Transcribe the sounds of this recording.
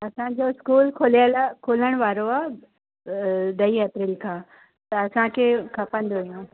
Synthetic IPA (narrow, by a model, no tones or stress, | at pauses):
ɐsãd͡ʑoɪskuːlkʰoːləlkʰoːləɽ̃ʋaːɾoaː | d̪ɐiepɾɪlkʰãː | t̪ɐɐsãkʰeːkʰɐpə̃n̆d̪oɦijũː